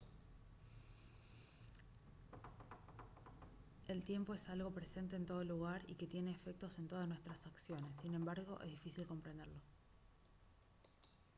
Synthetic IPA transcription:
e̞lt̪je̞mpoesalɣo̞pɾe̞se̞nt̪̬e̞ːnt̪o̞ð̞o̞luɣaɾḭke̞t̪je̞ne̞ːfe̞k̚t̪o̞se̞nt̪oðasnwest̪ɾasaksjo̞ne̞s̬ːinẽ̞mbaɾɣo̞ʔe̞̰zðifisilko̞mpɾend̪eɾlo̞

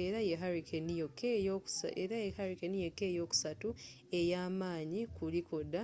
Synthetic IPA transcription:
eɾajeɦaɾikenijokʰːejo̥seɾajehaɾikenijekːe̞ːjo̞ːku̥satu | ejaːmaːɲikulikod̪a

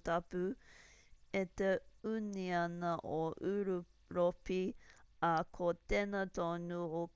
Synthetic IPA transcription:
t̪ɐpʉ | et̪eʉniɐnɐʔoʔʉɾu | ɾopiɐkʰot̪enɐtonuo

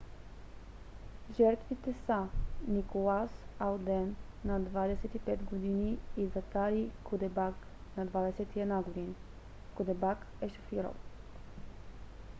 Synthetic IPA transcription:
ʒɛɾt̪vit̪ɛsanikolˠasalˠd̪ɛnː | ɐd̪vad̪ɛsɛt̪ipɛt̪ɡod̪iniːzɐk̪aɾikʰod̪ɛbak | nɐd̪vad̪ɛsɛt̪iɛd̪naɡod̪in | kod̪ɛbak | ɛʃo̥fiɾo̰l

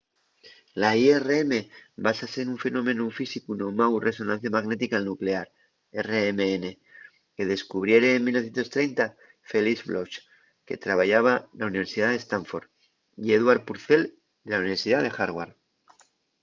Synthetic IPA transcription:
laiereeme̞basase̞ɾuɱfe̞nõ̞mẽ̞nufisikunomawre̞so̞nãnθjamaɣne̞t̪ikaelnukle̞aɾ | ere̞emeene̞ | ke̞ðe̞skuβ̞ɾje̞ɾeːnmilnoθjent̪o̞st̪ɾejnt̪a | fe̞lizβloʃ | ke̞̰t̪ɾaβaʝaβ̞alauniβ̞e̞ɾsiðaðe̞st̪aɱfo̞ɾ | ieðwaɾpuɾθe̞l | d̪elauniβeɾsiðaðe̞xaɾɣwaɾ

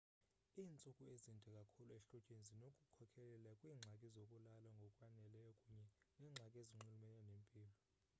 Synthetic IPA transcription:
iːnt͡sʼukʼuezintʼɛkʼakʰuluɛɬɔd̥ʒ̥ʼʱenzʱinokʼukʰɔkʰɛlɛlakʼwiːŋ͡ǁʱakʼizokʼulalwaŋɡʱɔkʼwanɛlɛjɔkʼuɲɛnɛːŋ͡ǁʱakʼeziŋ͡ǃulumɛnɛnempʼiːlɔ

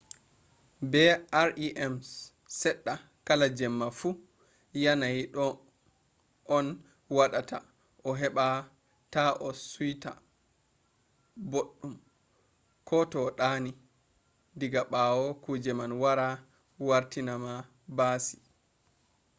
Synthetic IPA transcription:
bɛaɾʔiʔɛms | sɛɗːa | kalad͡ʒɛmːafu | janaiɗɔ | ɔn | waɗata̰ | ʔɔɦɛɓa | taʔɔsujta | boɗːum | kʰɔtɔɗaːni | diɡaɓawɔkud͡ʒɛmanwaɾa | waɾtinama | basi̥

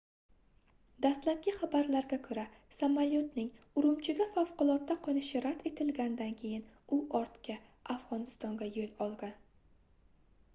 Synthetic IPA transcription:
d̪ast̪lap̚ɡʲɪχabaɾlaɾɡʲakʰɵɾa | samaljot̪nɪŋ | ʊɾʊmt͡ʃʰɪɡʲafafqʊlˠɒt̪ːaqʰɒnɪʃɪɾat̪e̞t̪ʰɪlɡʲanɪd̪ankʲʰe̞jɪnʊʔɒɾt̪kʲaʔafʁɒnɪst̪ɒŋɡʲajolɒlˠɡʲan

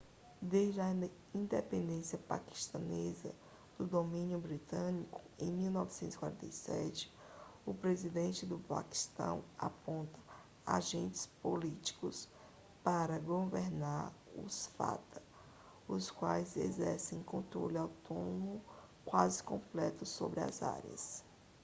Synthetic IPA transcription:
d̪ezd͡ʒɪɐ | ĩnd̪epẽnd̪ẽsiɐpa̰ki̥ʃt̪ɐnezɐ̰ | d̪ʊd̪omĩnjʊbɾit̪ɐ̃nikʊ̥ẽj̃miwnɔvisẽnt̪zi̥kwa̰ɾẽt̪ɐisɛt͡ʃɪ̥ | ʊpɾezid̪ẽnt͡ʃɪd̪ʊpa̰ki̥st̪ɐ̰̃w̃a̰põnt̪ɐ | a̰ʒẽnt͡ʃɪ̥spolit͡ʃi̥kʊs | paɾɐɡoveɾnaɾʊsfa̰t̪ɐ̥ | ʊskwajzezɛɾsẽj̃kõnt̪ɾolawt̪onomʊ | kwazɪkõplɛt̪ʊsobɾɪɐ̰za̰ɾḭɐ̰s

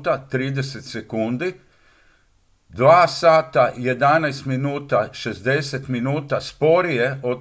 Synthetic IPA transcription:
t̪at̪ɾiːd̪eset̪sekund̪i | d̪ʋaːsaːt̪aje̞d̪anajst̪minuːt̪aʃe̞zd̪e̞set̪minuːt̪aspo̞ɾijeo

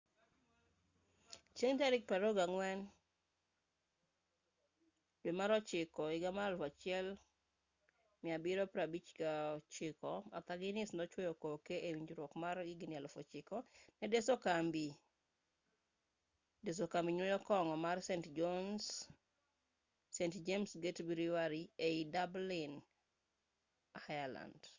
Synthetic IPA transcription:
t͡ʃeŋtaɾɪk̚pɾaɾoɡaŋwɛn | d̥wemaɾɔt͡ʃɪkɔɪɡamalfat͡ʃɪɛl | mɪabɪɾɔpɾabit͡ʃɡaɔt͡ʃɪkɔa̰t̪aɡɪnɪsnɔt͡ʃwɔjokokeʔewiɲd͡ʒɾwokmarɪɡɪnɪalfɔt͡ʃɪkɔnɛdesokambi | des̬okambiɲwɔjɔkɔŋɔmarsentd͡ʒons | entd͡ʒemsɡetbɾiwaɾieidablɪn | hajala̰nd

